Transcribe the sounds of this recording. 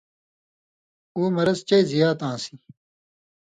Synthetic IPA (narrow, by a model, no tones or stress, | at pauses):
uːmɐɾɐst͡ɕɐjzijaːt̪ãːsi